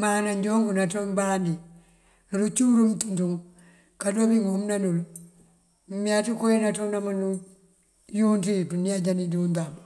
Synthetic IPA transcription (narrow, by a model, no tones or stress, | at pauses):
manaɲd͡ʒoŋɡunatombandi | nulut͡ʃuɾumtuntuŋ | kadobiŋomnanulu | miatikojinatonamanu | juntipuniad͡ʒanidundam